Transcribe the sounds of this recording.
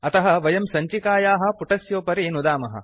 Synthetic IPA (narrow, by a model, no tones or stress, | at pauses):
ɐt̪ɐɦɐʋɐjɐmsɐɲt͡ʃikaːjaːɦɐ̆puʈɐsjoːpɐɾinud̪aːmɐɦɐ̰